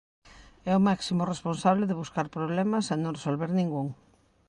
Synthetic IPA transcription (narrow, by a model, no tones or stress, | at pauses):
ɛʊmaksimʊresponsaβ̞lɪðɪβ̞uskaɾpɾoβlɛmɐsanõŋresolβeɾnĩŋɡuŋ